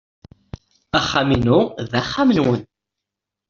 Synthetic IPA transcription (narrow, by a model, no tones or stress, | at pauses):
aχːaminuðæχːamənwən